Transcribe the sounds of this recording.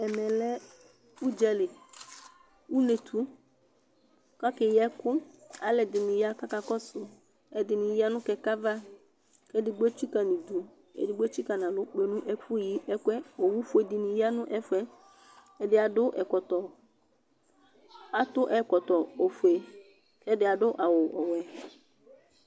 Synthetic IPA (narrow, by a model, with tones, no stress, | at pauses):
ɛ˨mɛ˨lɛ˦ | u˦d͡ʒɛ˦lɪ˨ | u˦ne˨tʰu˦ | ka˦kɪ˨jɛ˦kʊ˦a˨lɛ˨dɪ˨nɪ̃˨ja˦ka˦ka˨kɔ˦sʊ˨ | ɛ˨dɪ˨nɪ̃˨ja˦nʊ̃˦kɛ˨ka˦va˦ | kɛ˦dɪ˨ɡ͡be˦t͡ʃi˦ka˨nĩ˨du˨ | ɛ̰˨dɪ˨˦ɡ͡be˦t͡ʃi˦ka˨nã˨lʊ˦k͡pe˨nʊ̃˦ʔɛ˦kʊ˦ji˦ʔɛ˦kʷɛ˦o˨wu˦fʊ˦e˨dɪ˨nɪ̃˨ja˦nʊ̃˦ʔɛ˦fɛ˦ | ɛ˨dɪ˦a˨dʊ˦ʔɛ˨kɔ˨tɔ˨ | a˨tʊ˦ʔɛ˨kɔ˨tɔ˨o˨fu˨e˨ | kɛ˦dɪ˨˦a˨dʊ˦ʔa˨wʊ˨ʔɔ˨wɛ˨